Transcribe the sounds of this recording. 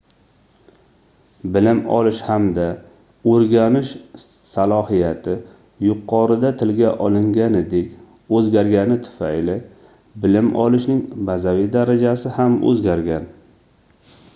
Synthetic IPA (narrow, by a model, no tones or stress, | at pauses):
bɪlɪmɒ̰lɪʃhamd̪a | ɵɾɡʲanɪʃ | salˠɒhijat̪ʰɪ | jʊqʰːɒɾɪd̪at̪ʰɪlɡʲaʔɒlˠɪŋɡʲanɪd̪ekʲ | ɵzɡʲaɾɡʲanɪt̪ʰʊ̥fa̰jlɪ | bɪlɪmʔɒ̰lɪʃnɪŋbazavɪd̪aɾad͡ʒasɪhamʔɵ̰zɡʲaɾɡʲan